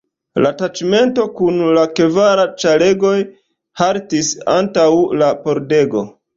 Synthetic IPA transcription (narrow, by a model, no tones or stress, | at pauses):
latat͡ʃme̞nto̞kunlakevaɾat͡ʃale̞ɡo̞j | haɾtisantawlapo̞ɾde̞ɡo̞̰